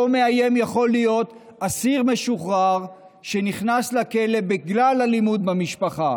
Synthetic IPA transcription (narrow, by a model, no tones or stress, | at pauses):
omeaje̞mjaχo̞lijo̞t̪ | asiʁme̞ʃuχʁaʁ | ʃeniχnaslake̞le̞biɡlalalimud̪̚bamiʃpaχa